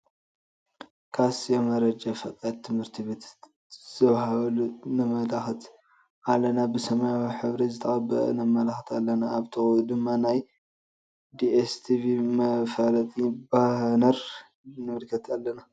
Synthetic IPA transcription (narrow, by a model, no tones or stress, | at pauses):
kʰasjomɐɾɐd͡ʒafɐt̪ʼad̪t̪ʰːɨmhɨɾt̪ʰiβet̪ | z̥ɐβhaβlunɨmɐlaxɐt̪ | ʔalːɐnabɨsɐmajawiħɨβɾizɨt̪ʰɐʔabɐ̰ʔnamɐlaxt̪ʰalːɐnaːβt̪ʰɨud̪ɨmːanaj | d̪iest̪ʰivimɐfalɐt̪ʼibahnɐɾ | nɨmɨlkʰɐt̪ʰalːɐna